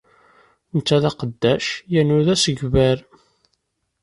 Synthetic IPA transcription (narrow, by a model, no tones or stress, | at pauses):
nət͡sːæðæqəd̪ːæʃjænʊðæsəɡvæɾ